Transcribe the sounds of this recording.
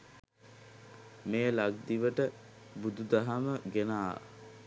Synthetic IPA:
meːlaɡ̚d̪iʋəʈə | bud̪ud̪aɦaməɡenaː

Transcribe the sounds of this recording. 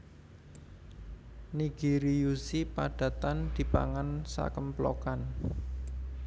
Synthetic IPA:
niɡ̥i̤ɾijusipaɖ̥ä̤t̪and̪̥i̤pa̰ŋansa̰kəmplokan

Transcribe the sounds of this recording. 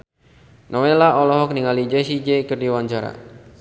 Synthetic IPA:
nʔɔwelaʔɔlɔɦɔk̚niŋalid͡ʒɛsid͡ʒekɨrdiwaɲt͡ʃaɾa̰

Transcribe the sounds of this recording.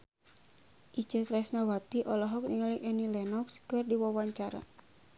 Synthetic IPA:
ʔit͡ʃət̪ɾɛsnawat̪iʔɔlɔɦɔk̚niŋaliʔɛnilɛnɔkskɨrdiwawaɲt͡ʃaɾa̰

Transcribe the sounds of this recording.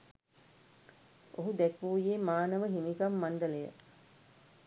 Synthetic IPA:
oɦud̪ɛkuːjeːmaːnəʋəɦimikamːaɳɖəlejə̰

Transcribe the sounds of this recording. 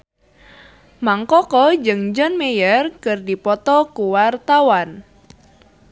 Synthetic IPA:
maŋkɔkɔd͡ʒɨŋd͡ʒɔnmejərkɨrdipɔt̪ɔkuwart̪awan

